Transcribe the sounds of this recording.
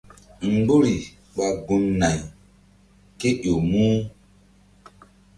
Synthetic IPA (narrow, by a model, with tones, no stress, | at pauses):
ŋ̩˨ɡ͡bo˦ɾi˨ | ɓa˨ɡu˨mna˨j | ke˦ʔo˨muː˦